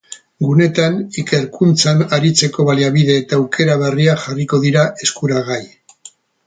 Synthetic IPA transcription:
ɡune̞t̪anike̞ɾkunt͡sanaɾit͡se̞ko̞βaliaβiðe̞ːt̪awkʰe̞ɾaβeriaxariko̞ðiɾae̞skuɾaɣaj

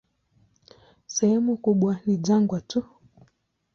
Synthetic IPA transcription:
sɛhɛmukuɓwaniʄaŋɡwatu

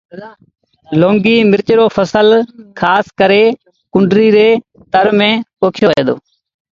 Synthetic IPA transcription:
loːŋɡiːmɪɾt͡ʃɾoːpʰəsəlkʰaːskəɾeː | kʊɳɖɾiːɾeː | t̪əɾmẽːoːkʰjoːḛːd̪o̰ː

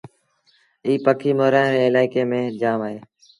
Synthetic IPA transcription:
iːpəkʰiːmoːɾaːɾeːɪlaːɪkeːmẽːd͡ʒaːmaːɦeː

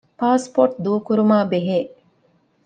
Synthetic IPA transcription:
paːspoʈ̚d̪uːkuɾumaːbeɦeː

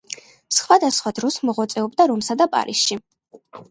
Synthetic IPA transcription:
sχwad̪asχwad̪ɾɔsmɔʁwat̪sʼɛɔbd̪aɾɔmsad̪apʼa̰ɾisʃi

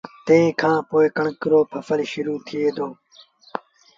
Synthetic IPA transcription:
t̪ẽẽːkʰãːpoːeːkəɳkɾoːpʰəfəlʃʊɾuːt̪ʰieːd̪oː

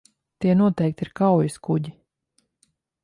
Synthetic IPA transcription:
t̪iɛnuɔt̪ɛjk̚t̪iɾkawjiskuɟi

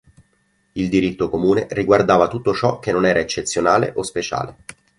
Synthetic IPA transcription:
ild̪iɾit̪ːokomuːneriɡward̪aːvat̪ut̪ːot͡ʃɔk̟ːenːonɛːɾaet͡ʃːet̪sːjonaːlḛʔospet͡ʃa̰ːle

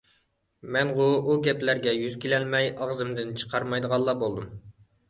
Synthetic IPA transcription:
mɛnʁouɡʲɛplæɾɡʲɛjyz̥kʲʰilɛlmɛjɑʁzɨmd̪ɪnt͡ʃʰə̥qʰɑɾmɑjd̪əʁɑlˠːɑːbolˠd̪um

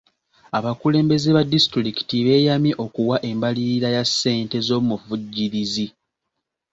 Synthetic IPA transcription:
aβakule̞ːmbe̞zeβadistɾiki̥tiβe̞ːjamjiʔo̞kuwaʔe̞mbaliɾiɾajasːe̞ːnte̞zo̞muvuɟːiɾizi

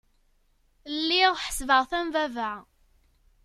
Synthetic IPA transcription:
lːiʁħə̥svəʁθæmvævəʕ

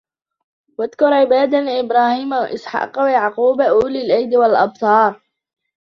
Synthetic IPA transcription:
waðkʊɾˤʕɪbaːd̪anʔɪbɾˤaːhiːmaw̰ʔɪsħɑ̰ːqawajaʕquːbaʔuːlɪlʔajd̪walʔɑb̚t̪ˤɑːɾˤ

